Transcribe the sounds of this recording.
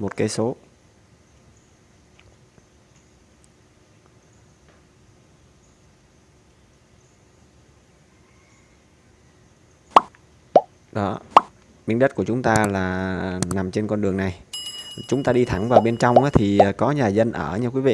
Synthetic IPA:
mo˨˩t̚kaː˨˦jso˨˦ | ɗɔ˨˦ | ɓi˨˦əŋɗə˦˥t̚ku˧˩ət͡ɕʊ˨˦ŋ͡mt̪aː˧laː˨˩na˨˩mt͡ɕe˧nkɔ˧nɗɨ˨˩əŋna˨˩jt͡ɕʊ˨˦ŋ͡mt̪aː˧ɗi˧t̪ʰa˧˩ŋvaː˨˩wɓe˧nt͡ɕa˧wŋ͡mʔaː˨˦t̪ʰi˨˩˨kɔ˨˦ɲaː˨˩zə˧nʔəː˧˩ɲɨ˧kwi˨˦vḭ˧˨

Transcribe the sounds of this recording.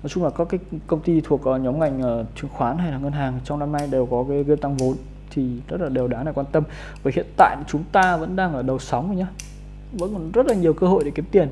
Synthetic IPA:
nɔ˨˦jt͡ɕʊ˧ŋ͡mlaː˨˩kɔ˨˦kaː˨˦jkə˧wŋ͡mt̪i˧t̪ʰu˨˩ək̚ʔəː˨˩ɲɔ˨˦mŋa˨˩jŋ̟ʔəː˨˩t͡ɕɨ˨˩˦əŋxwaː˨˦nɦa˧jlaː˨˩ŋə˧nɦaː˨˩ŋt͡ɕwŋ͡mnaː˧mna˧jɗe˨˩wkɔ˨˦kaː˨˦jɣi˧ət̪a˧ŋvo˨˦n | t̪ʰi˨˩zə˦˥t̚laː˨˩ɗe˨˩wɗaː˨˦na˨˩jkwaː˧nt̪ə˧m | vəː˨˩hḭ˧˨ənt̪a̰ː˧˨jt͡ɕʊ˨˦ŋ͡mt̪aː˧və̰˧˥nɗaː˧ŋlaː˨˩ɗə˨˩wsɔ˨˦wŋ͡mʔə˧˦ɲaː˧ | və̰˧˥n˨˩nzə˦˥t̚laː˨˩ɲi˨˩əwkəː˧ho̰˧˨jɗe˨˩ki˨˦mt̪i˨˩ən

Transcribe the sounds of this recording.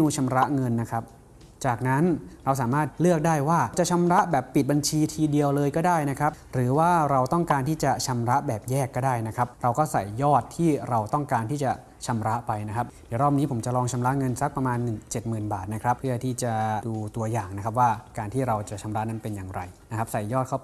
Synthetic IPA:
uː˧t͡ɕʰa˧mɾa˦˥ʔŋɤ˧nːa˦˥kʰɾa˦˥p̚ | t͡ɕaː˨˩k̚na˦˥nɾa˧ws̬aː˩˦maː˥˩t̪̚lɯ˥˩ək̚daː˥˩jwaː˥˩t͡ɕa˨˩t͡ɕʰa˧mɾa˦˥ʔbɛː˨˩pːi˨˩t̪̚ba˧nt͡ɕʰiː˧t̪ʰiː˧di˧əwlɤː˧jkɔː˥˩daː˥˩jna˦˥kʰɾa˦˥p̚ɾɯː˩˦waː˥˩ɾa˧wt̪ɔ˥˩ŋkaː˧nt̪ʰiː˥˩t͡ɕa˨˩t͡ɕʰa˧mɾa˦˥ʔbɛː˨˩p̚jɛː˥˩kːɔː˥˩daː˥˩jna˦˥kʰa˦˥p̚ɾa˧wkɔː˥˩sa˨˩jːɔː˥˩t̪ʰːiː˥˩ɾa˧wt̪ɔ˥˩ŋkaː˧nt̪ʰiː˥˩t͡ɕa˨˩ | t͡ɕʰa˧mɾa˦˥ʔpa˧jna˦˥kʰa˦˥di˨˩˦ɾɔː˥˩m̚niː˦˥pʰo˩˦mt͡ɕa˨˩lɔː˧ŋt͡ɕʰa˧mɾa˦˥ʔŋɤ˧nsa˦˥k̚pɾa˧maː˧nːɯ˨˩ŋt͡ɕe˨˩t̪̚mɯː˨˩nbaː˨˩t̪̚na˦˥kʰɾa˦˥p̚pʰɯ˥˩ɐt̪ʰiː˥˩t͡ɕa˨˩duː˧t̪u˧ɐjaː˨˩ŋna˦kʰa˦˥p̬̚waː˥˩kaː˧nt̪ʰiː˥˩ɾa˧wt͡ɕa˨˩ʔt͡ɕʰa˧mɾa˦˥ʔna˦˥npe˧njaː˨˩ŋɾa̰˧jna˦˥kʰa˦˥p̚sa˨˩jːɔː˥˩t̪̚kʰa˥˩w

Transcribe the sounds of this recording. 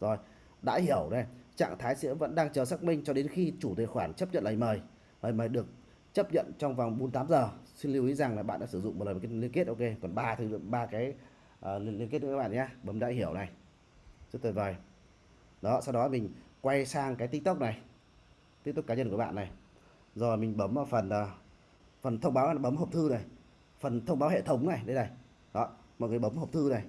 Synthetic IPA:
zo˨˩j | ɗa̰ː˧˥hi˧˩əwna˨˩jt͡ɕa̰ː˧˨ŋt̪ʰaː˨˦jsɛ̰˧˥və̰˧˥nɗaː˧ŋt͡ɕəː˨˩saː˦˥k̚mï˧ŋ̟t͡ɕɔ˧ɗe˨˦nxi˧t͡ɕu˧˩t̪wḭ˧˨xwaː˧˩nt͡ɕə˦˥p̚ɲə̰˧˨nləː˨˩jməː˨˩j | ləː˨˩jməː˨˩jɗɨ˨˩ək̚ | t͡ɕə˦˥p̚ɲə̰˧˨nt͡ɕɔ˧wŋ͡mva˨˩wŋ͡mɓo˨˦nt̪aː˨˦mzəː˨˩si˧nli˧wi˨˦za˨˩ŋlaː˨˩ɓa̰ː˧˨nɗa̰ː˧˥sɨ˧˩zʊ̰˧˨ŋ͡mm̚˨˩˨lːkːli˧ənki˦˥ət̚ʔo˧ke˧t̪wə˨˩nɓaː˧t̪ʰɨ˨˧˨ɓaː˧kaː˨˦j | ʔə˨˩li˧ənlkt̚n̰ː˧˥˧ɓa̰ː˧˨˩ɲaː˧ɓəː˨˦˨ɗa̰ː˧˥˦ɦi˧˩əwna˨˩j | t͡ɕɨ˦˥kt̪ʰə˨˩vəː˨˩j | ɗɔ˨˦sa˧wɗɔ˨˦mï˨˩ŋ̟kwa˧jsaː˧ŋkaː˨˦t̪i˦˥k̚t̪u˦˥k͡p̚na˨˩j | t̪i˦˥t̪̚kaː˨˦ɲə˧nku˧˩ɓa̰ː˧˨nːa˨˩j | zɔ˧˨˩mï˨˩ŋ̟ɓə˨˦mː˧˩fə˨˩nː˨˩ | fə˨˩nt̪ʰə˧wŋ͡mɓaː˨˦haː˧˨a˨˩ɓə˨˦mɦəː˨˩p̚t̪ʰɨ˧na˨˩j | fə˨˩nt̪ʰə˧wŋ͡mɓaː˨˦whḛ˧˨t̪ʰə˨˦wŋ͡mna˨˩jɗe˨˦ɗa˧˩j | ɗɔ˨˦mɔ̰˧˨jŋɨː˨˩ɓə˨˦mɦə˨˩p̚t̪ʰɨ˧na˨˩j

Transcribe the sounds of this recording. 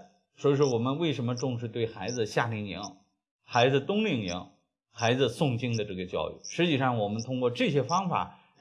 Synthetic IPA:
swɔ˧˥i˧ʂ̬wɔ˥wɔ˨˩mə˦nwe˥˩ɪʂə˧˥mə˧ʈ͡ʂʊ˥˧ŋʂɻ̩˥˧t̪we˥˩ɪxa˧˥ɪd͡zɹ̩˧ɕja˥˩li˧˩ŋḭ˧˥ŋ | xa˧˥ɪd͡zɹ̩˧t̪ʊ˥ŋli˥˩ŋḭ˧˥ŋ | xa˧˥ɪd͡zɹ̩˧sʊ˥˧ŋt͡ɕi˥ŋd̪ə˨ʈ͡ʂɤ˥˩ɡə˩t͡ɕjɑ̰˥˧ʊy̰˥˩ʂɻ̩˧˥t͡ɕi˥˩ʂɑ˥˩ŋwɔ˨˩mə˦nt̪ʰʊ˥ŋkwɔ˥˧ʈ͡ʂɤ˥˩ɕjɛ˥fɑ˥ŋfa̰˨˩˦

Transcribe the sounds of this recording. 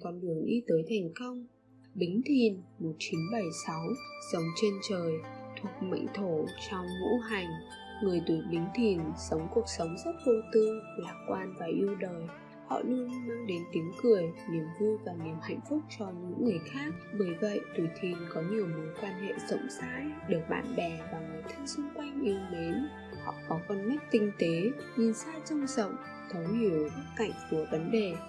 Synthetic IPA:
kɔ˨˦nɗɨ˧˨˩əŋʔi˧t̪əː˨˦jt̪ʰa˨˩jŋ̟kə˧wŋ͡m | ɓï˨˦ŋ̟t̪ʰi˨˩nmo˨˩t̚t͡ɕi˨˦nɓə˧˩jsa˨˦wzə˨˦wŋ͡mt͡ɕe˧nt͡ɕəː˨˩jt̪ʰu˨˩ək̚mə̰˧˨ŋ̟t̪ʰo˧˩t͡ɕɔ˧wŋ͡mŋṵ˧˥ɦa˨˩jŋ̟ | ŋɨ˨˩əjt̪u˧˩ɓï˨˦ŋ̟t̪ʰi˨˩nsə˨˦wŋ͡mku˨˩ək̚sə˨˦wŋ͡mzə˦˥t̚ɗə˧wt̪ɨ˧əlaː˨˦˩mkwaː˧nvaː˨˩ʔi˧əwɗəː˨˩j | hɔ̰˧˨nɨ˧nm˧ŋɗe˨˦nt̪i˨˦əŋkɨ˨˩əjni˨˩əmvu˧jvaː˨˩ni˨˩əmha̰˧˨jŋ̟fʊ˦˥k͡p̚t͡ɕɔ˧ɲɨ̰˧˥ŋːɨ˨˩əjxaː˦˥k̚ɓəː˨˦jvə̰˧˨jt̪u˨˩t̪ʰi˨˩nkɔ˨˦ɲi˨˩əwmɨ˨˦jkwaː˧nɦḛ˧˨z̥ə̰˧˨wŋ͡msa̰ː˧˥jɗɨ˨˩ək̚ɓa̰ː˧˨nɓɛ˨˩vaː˨˩ŋɨ˨˩jt̪ʰi˧ŋsu˧ŋ͡mkwa˧jŋ̟ʔi˧me˨˦n | hɔ̰˧˨kɔ˨˦kɔ˧nma˦˥k̚t̪ï˧ŋ̟t̪e˨˦ | ɲi˧˩nsaː˦˥t͡ɕə˧wŋ͡mzə̰˧˨wŋ͡m | t̪ʰə˨˦ɲi˧˨˩əwɓə˦˥ka̰˧˨jŋ̟fi˧˩əvə˨˦nɗe˨˩

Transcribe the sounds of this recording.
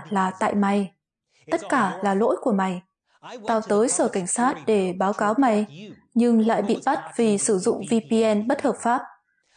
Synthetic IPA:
laː˨˩t̪a̰ː˧˨jma˨˩j | t̪ə˦˥t̚kaː˧˩laː˨˩lo̰˧˥jku˧˩əma˨˩j | t̪aː˧˩wt̪əː˨˦jsəː˧˩ka˧˩ŋ̟saː˦˥t̚ɗe˧˩ɓaː˨˦wkaː˨˦wma˨˩j | ɲɨ˧ŋla̰ː˧˨jɓḭ˧˨ɓa˦˥t̚vi˨˩sɨ˧˩zʊ̰˧˨ŋ͡mvi˧pi˧ʔɛ˧nɓə˦˥t̚həː˨˩p̚faː˦˥p̚

